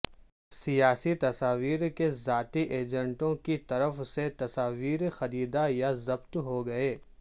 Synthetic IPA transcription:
sijaːsit̪ɐsaːʋiːɾkezaːt̪iʔeːd͡ʒə̃ɳʈõkit̪ɐɾəfset̪ɐsaːʋiːɾxɐɾiːd̪ajazɐbt̪ɦoɡɐeː

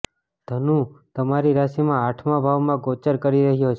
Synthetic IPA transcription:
d̪̥ʱənũt̪əmaɾiɾaʃimãaʈʰmãbʱaʋmãɡot͡ʃəɾkəɾiɾəɦjot͡ʃʰ

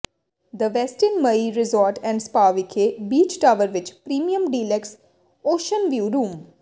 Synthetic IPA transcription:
d̪əʋɛsʈənməiɾɪzɔːɾʈɛ̃ɳɖspaːʋɪkʰebiːt͡ʃʈaːʋəɾʋɪt͡ʃpɾiːmijə̃mɖiːlɛks | oːʃənʋjuːɾũːm

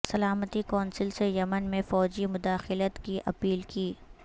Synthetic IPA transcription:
sɐlaːmət̪ikɔːnsɪlsejɐmənmẽfɔːd͡ʒimʊd̪aːxɪlət̪kiʔɐpiːlkiː

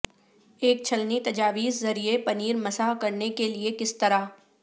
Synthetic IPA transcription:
eːk̚t͡ʃʰɐlnit̪ɐd͡ʒaːʋiːzzɐɾiepɐniːɾmɐsaːɦkɐɾnekeliekɪst̪ɐɾaː

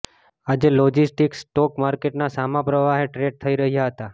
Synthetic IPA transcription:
ad͡ʒelɔd͡ʒisʈiksʈɔkmaɾkeʈnasamãpɾəʋaɦeʈɾeɖ̚t̪ʰəiɾəɦijaɦət̪a

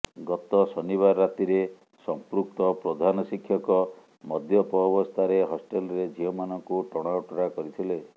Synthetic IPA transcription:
ɡɔt̪ɔsɔniβaɾːat̪iɾe | sɔmpɾuk̚t̪ɔpɾɔd̪ʱanɔsikʰːjɔkɔ | mɔd̪ʱjɔpɔːbɔst̪ʰaɾeɦɔsʈelɔɾed͡ʒʱiɔmanɔŋkuʈɔɽ̃awʈɔɾakɔɾit̪ʰile

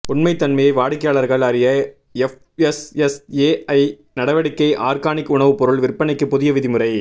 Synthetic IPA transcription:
ʊɳmɐɪt̪ːɐnmɐjɐɪʋaːɽɪkːɐjaːɭɐɾɣɐɭɐɾɪjɐ | ɛf | ɛsɛseːɐɪ | nɐɽɐʋɐɽɪkːɐɪʔaːɾkaːnɪkːʊɳɐʋɯpɔɾɯɭʋɪrpːɐɳɪkːɯpːʊðɪjɐʋɪðɪmɯrɐɪ

